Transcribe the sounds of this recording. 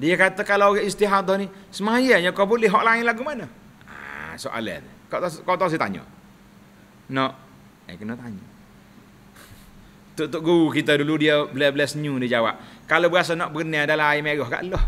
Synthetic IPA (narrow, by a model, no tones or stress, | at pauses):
diəkat̪əkalaɡɛʔist̪iɦad̪ɔnisəmajəjakɔbulɪɦɔʔlaɪnlaɡumanə | a̰soʔa̰lɛ̰t̪ | kɔt̪kɔʔt̪ɔs̬it̪a̰ɲɔ̰ | nɔʔ | ə̰kənɔʔt̪aɲɔ | t̪uʔt̪ʊʔ̚ɡukit̪əduludiəblɛsbəlɛsɲudid͡ʒawa̰p̚kalobəas̬anɔʔbəɡəniadalaaimeɡɔhɡa̰ʔlɔh